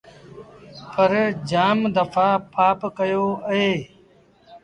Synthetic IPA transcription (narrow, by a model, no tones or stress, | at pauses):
pəɾd͡ʒaːmd̪əfʰaːpaːpkəjoːəɦeː